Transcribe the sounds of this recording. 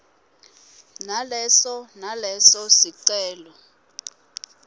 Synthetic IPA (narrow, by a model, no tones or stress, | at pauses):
nalɛsɔnalɛsɔsiǀɛːlɔ